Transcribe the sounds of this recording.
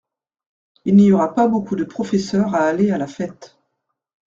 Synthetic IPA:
ilniɔʁapabokud̪əpχɔfɛsœʁaːlealafɛt̪

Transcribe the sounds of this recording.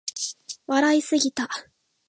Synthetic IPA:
βaɾaisɨɡʲit̪a

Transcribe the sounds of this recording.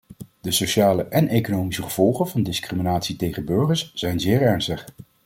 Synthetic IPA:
dəsoʃaːləʔɛnejkonowmisəχəv̥ɔlˠχənvɑndɪskriminaːtsitejχənbɵɹχəɹsz̥ɛjnzɪːɹɛɹnstəχ

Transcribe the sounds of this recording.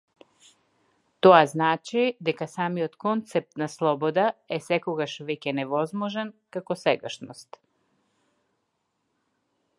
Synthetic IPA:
t̪ɔaznat͡ʃid̪ɛkasamiɔt̪kɔnt̪sɛp̚t̪naslˠɔbɔd̪aɛsɛkɔɡaʃvɛcɛnɛvɔzmɔʒɛnkakɔsɛɡaʃnɔst̪

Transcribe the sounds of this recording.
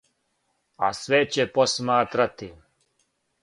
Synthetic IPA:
a̰sʋet͡ɕeposmaːt̪ɾat̪i

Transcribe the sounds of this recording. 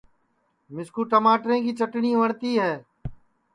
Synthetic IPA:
mɪskuːʈəmaːʈɾẽːkiːt͡ʃəʈɳiːʋəɳt̪iːɦɛː

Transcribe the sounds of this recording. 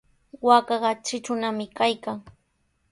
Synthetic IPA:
wakɑɢɑt͡ʃɪt͡ʃʊnamɪkajkaŋ

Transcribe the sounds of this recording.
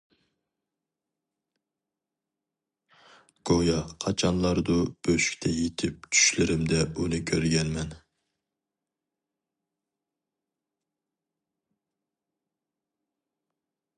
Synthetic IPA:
ɡ̥ojɑqʰɑt͡ʃʰɑnlˠɑɾd̪ub̥øʃkʲt̪ʰɛjet̪ʰɪp̚t͡ʃʰy̥ʃlɪɾɪmd̪ɛunɨkʲʰøɾɡʲɛnmɛn

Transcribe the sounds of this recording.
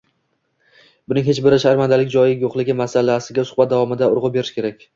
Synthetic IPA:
bʊnɪŋhe̞t͡ʃbɪɾɪʃaɾvand̪alɪk̚ʲd͡ʒɒjɪjoqlˠɪɡʲɪmasalasɪɡʲasʊ̥χbat̪̚d̪avɒmɪd̪aʊɾʁʊbe̞ɾɪʃkʲʰe̞ɾakʲ

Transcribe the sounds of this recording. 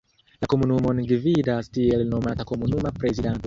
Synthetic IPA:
lakɔmunumɔniɡividastiɛlnɔmatakɔmunumapɾɛzidãnt

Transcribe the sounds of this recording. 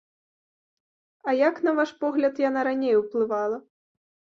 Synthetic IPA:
ɐjaknɐvaʂpɔɣlʲɐt̪jan̪aɾanʲejwplˠɨvalˠɐ

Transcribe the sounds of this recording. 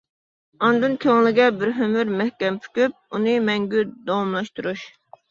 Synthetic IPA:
ɑnd̪ɨnkʲʰøŋlˠɪɡʲɛbɪɾɦømyɾmɛhkʲɛmpʰy̥kʲyp̚unɨmɛŋɡʲyd̪owɑmlˠɑʃt̪uɾuʃ

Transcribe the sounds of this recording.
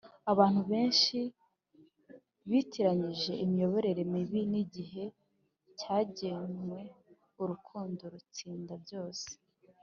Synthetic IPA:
aβaːn̥huβe̞ːnʃi | βitʰiɾaɲiʒe̞ʔimijo̞βo̞ɾe̞ɾe̞miβiniɟiɦe̞ | caːɟenwe̞ | uɾukʰuːndoɾut͡siːndabɟo̞ːse̥

